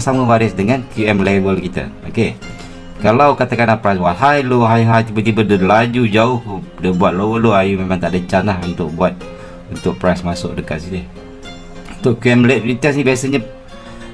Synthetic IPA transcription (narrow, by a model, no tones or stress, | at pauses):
saməwaɾɪsdəŋankjuɛmlevəlkit̪ə̰oke | kalawkat̪akanapɾajsbuat̪̚ɦajloɦajɦajt̪ibət̪ibədəlad͡ʒud͡ʒaʊhdəbuat̪̚lowəloajumemaŋt̪aʔdət͡ʃanahunt̪ʊk̚buat̪̚ | unt̪ʊk̚pɾajsmasʊk̚dəkat̪sidh | unt̪ʊʔkjuɛmleit̪asnibiasəɲə